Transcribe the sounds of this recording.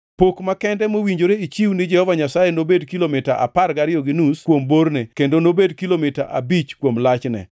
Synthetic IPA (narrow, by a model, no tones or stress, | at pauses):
pokmakɛndɛmowiɲd͡ʒoɾeit͡ʃiwnɪd͡ʒɛhɔvaɲasajenobedkilomɪtaʔa̰parɡaɾɪjoɡɪnuskwomboɾnekendonobedkilomɪtaʔabit͡ʃkwomlat͡ʃnɛ̰